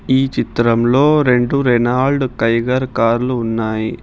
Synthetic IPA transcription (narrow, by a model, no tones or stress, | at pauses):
iːt͡ʃit̪ɾɐmlo̞ːɾe̞ɳɖuɾɛnaːlɖkɐjɡɐɾkaːɾluːnːaːji